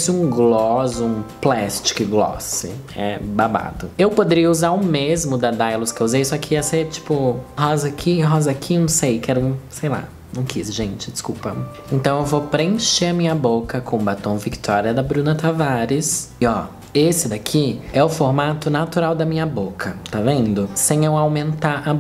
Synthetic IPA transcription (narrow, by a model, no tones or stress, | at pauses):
sɪũɡlɔzũplɛst͡ʃɪ̥kɪɡlɔ̰sɪ̰ɛ̰baba̰t̪ʊewpod̪eɾiɐuzaɾʊmezmʊd̪ɐd̪ajlʊskewuzejsɔkʰɪaset͡ʃi̥pʊɦɔzɐkʰiɦɔzɐkʰinɐ̃w̃sejkɛɾʊsejla̰ | nɐ̃w̃kisʒẽnt͡ʃɪ̥d͡ʒɪskuwpɐ | ẽnt̪ɐ̃w̃ewvopɾẽʃeɐmĩɲɐbokɐkʰõbat̪õw̃vikt̪ʰɔɾiɐd̪ɐbɾũnɐt̪avaɾɪs | ɪɔ | esɪd̪akʰiɛʊfoɾmat̪ʊnat̪uɾawd̪ɐmĩɲɐbokʰɐt̪avẽnd̪ʊsẽj̃ewawmẽnt̪aɾa